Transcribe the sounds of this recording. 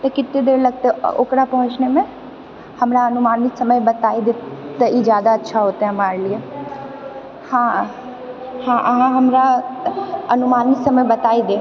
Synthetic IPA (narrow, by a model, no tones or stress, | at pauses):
t̪ɐkɪt̪ːed̪eːɾlɐɡ̚t̪eɛo̰ːkɾapɐɦʊ̃t͡ʃnemẽ | hɐmɾaɐnʊmaːnɪksɐməjbɐt̪aːid̪et̪ɐid͡ʒjaːd̪aɐtːʃʰaɦoːt̪aɦɛ̃ɦɐmaːɾelie | hãː | hãʔɐɦãɦɐmɾa | ɐnʊmaːnɪsɐməjbɐt̪aːid̪eː